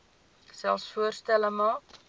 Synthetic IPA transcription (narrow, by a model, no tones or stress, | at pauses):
sɛlsfuərst̪æləmɑː